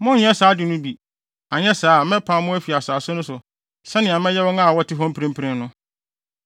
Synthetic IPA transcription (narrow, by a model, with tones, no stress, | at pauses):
mʊ̃˦ɲ˦ɛ̃˦saː˨˦dɪ˨nʊ̃˦bi˨ | a˨ɲɛ˦saː˦˨mɛ̃˦pʰã˨mʊ̃˦æ˦fi˨a˨sa˨sʊ̃˦nʊ̃˦sʊ˨ | sɛ̃˦nɪ̃˨a˨mɛ̃˦jɛ˦wɔ̃˦ŋa˦˨wɔ˦tʰɪ˦ɦɔ̃˦m̩pʰɾĩ˦m˦pʰɪ˦ɾɪ̃˦n˦nʊ̃˦